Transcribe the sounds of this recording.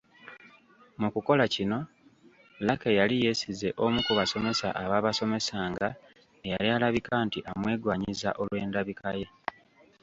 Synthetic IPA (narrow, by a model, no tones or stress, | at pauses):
mukuko̞lacino̞ | lakejalije̞size̞ʔo̞mukuβaso̞me̞sa̰ʔaβaːβaso̞me̞saːŋɡa | ejalialaβikaːntiʔamwe̞ːɡwaːɲiza̰ʔo̞lwe̞ːndaβikʰaje